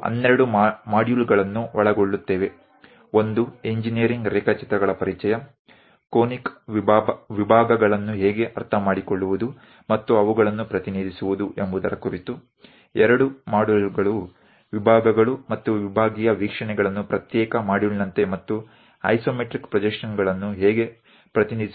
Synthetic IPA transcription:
ɐ̰nːeɾɐɽumaːɖjuːlɡɐɭɐnːuʋɐɭɐɡoɭːut̪ːeːʋe̞ | o̞nd̪ueɲd͡ʒinijɐɾiŋɡɾɛːkɐt͡ʃit̪ɾɐɡɐɭɐpɐɾit͡ʃɐjɐ | koːnikː | ʋibʱaːɡɐɡɐɭɐnːuɦɛːɡe̞ʔɐɾt̪ʰɐmaːɽikoɭːuʋud̪u | mɐt̪ːuɐʋuɡɐɭɐnːupɾɐt̪iniːd̪ʱisuʋud̪uʔembud̪ɐɾɐkuɾit̪u | ɛɾɐɽumaːɽulɡɐɭu | ʋibʱaːɡɐɡɐɭumɐt̪ːuʋibʱaːɡijɐʋiːkʂɐɳɛɡɐɭɐnːupɾɐt̪jɛːkɐmaːɽuɭinɐnt̪e̞mɐt̪ːu | ɐ̰jsoːmeʈɾikpɾɐd͡ʒɛkʂɐnɡɐɭɐnːuɦɛːɡe̞ | pɾɐt̪inid̪is

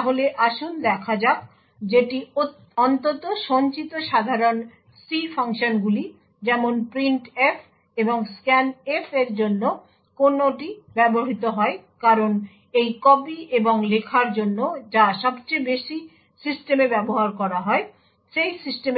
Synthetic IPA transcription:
t̪aɦoleʔaʃund̪ɛkʰad͡ʑa | d͡ʑeʈi | ɔnt̪ot̪oʃɔnt͡ɕit̪oʃad̪ʱaɾon | sifʰaŋʃonɡuli | d͡ʑɛmonpɾiɳʈefʰ | eboŋskɛnefʰeɾd͡ʑonːo | konoʈibɛboɦit̪oɦɔekaɾon | ejkɔbieboŋlekʰaɾd͡ʑonːod͡ʑaʃɔb̚t͡ɕejbeʃi | sisʈemebɛboɦaɾkɔɾaɦɔe | ʃejsisʈem

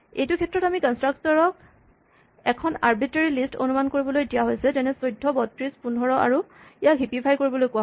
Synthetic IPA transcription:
ejtukʰɛtɹɔtamikɔnstɹaktɔɹɔk | ɛkʰɔnaɹbiteɹilisto̰numankoɹibɔlojdijaɦojsɛzɛnɛsojdʱːɔbɔtɹispundʱɔɹɔa̰ɹuijaɦipipʰajkoɹibɔlojkʊa

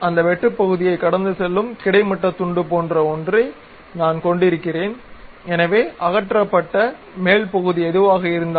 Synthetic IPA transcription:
ɐnd̪ɐʋɛʈːɯpːɐɣɯðɪjɐɪkːɐɽɐnd̪ɯsɛlːɯmkɪɽɐɪmɐʈːɐt̪ːʊɳɖɯpoːndrɐɔndrɐɪ | naːnkɔɳɖɪɾɯkːɪreːn | ɛnɐʋeːʔɐɣɐʈːrɐpːɐʈːɐ | meːlpɐɣɯðiɛðɯʋaːɣɐɪɾɯnd̪

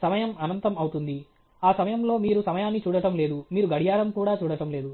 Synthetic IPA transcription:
sɐmɐjɐmɐnɐnt̪ɐmɐwut̪und̪i | aːsɐmɐjɐmlo̞ːmiːɾusɐmɐjaːnːit͡ʃuːɽɐʈɐmle̞ːd̪umiːɾuɡɐɽijaːɾɐmkuːɽaːt͡ʃuːɽɐʈɐmle̞ːd̪u

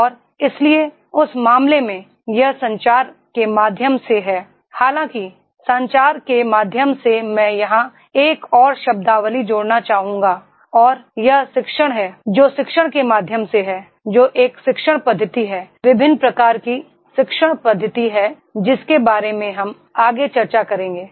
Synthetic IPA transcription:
ɔːɾ | ɪslie | ʊsmaːmlemẽ | jɐɦsɐ̃ɲt͡ʃaːɾkemaːd̪ʱjəmseɦɛː | haːlãki | sɐ̃ɲt͡ʃaːɾkemaːd̪ʱjəmsemɛ̃ːjɐɦã | eːkɔːɾʃɐb̚d̪aːʋəlid͡ʒoːɽnat͡ʃaːɦũːŋɡa | ɔːɾjɐɦsɪkʃəɽ̃ɦɛːd͡ʒoːʃɪkʃəɽ̃kemaːd̪ʱjəmseɦɛ | d͡ʒoːʔeːkʃɪkʃəɽ̃pɐd̪ʱːət̪iɦɛːʋɪbʱɪnːpɾɐkaːɾki | ʃɪkʃəɽ̃pɐd̪ʱːət̪iɦɛ | d͡ʒɪskebaːɾemẽɦɐm | aːɡet͡ʃɐɾt͡ʃakɐɾẽːŋɡeː

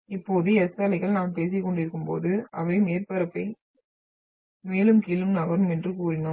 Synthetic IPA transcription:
ɪpːoːðɯɛsɐːlɐɪɣɐɭnaːmpeːs̬ɪkːɔɳɖɪɾɯkːɯmpoːðɯʔɐʋɐɪmeːɾpɐɾɐpːɐɪ | meːlɯmkiːlɯmnɐbɐɾɯmɛndrɯkuːɾɪnɯ

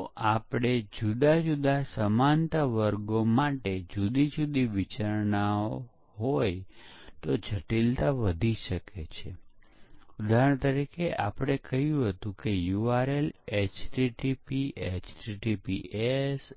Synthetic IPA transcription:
ʔapɽ̃ed͡ʒud̪ad͡ʒud̪asəmant̪əʋəɾɡomaʈed͡ʒud̪id͡ʒud̪iʋit͡ʃaɾɳao | ɦojt̪od͡ʒʱəʈilt̪aʋəd̪ʱiʃəket͡ʃʰe | ud̪ʱaɾəɳt̪əɾikʰeʔapɽ̃ekəɦjũɦət̪ũkejuaɾelet͡ʃʈiʈipiet͡ʃʈiʈipies

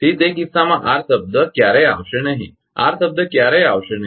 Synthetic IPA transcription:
t̪iːt̪ekisamaʔaɾsəb̚d̪əkjaɾəja̰ʋɕenaɦḭ | a̰ɾsəb̚d̪əkjaɾəjaʋʂena

